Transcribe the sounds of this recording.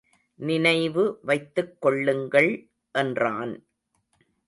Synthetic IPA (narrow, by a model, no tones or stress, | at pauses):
nɪnɐɪʋɯʋɐɪt̪ːɯkːɔɭːɯŋɡɐɭ | ʔɛndraːn